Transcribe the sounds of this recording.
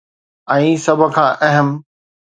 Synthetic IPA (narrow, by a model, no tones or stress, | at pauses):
ɛ̃ːsɐbʱʊ̆kʰãːʔɛɦəm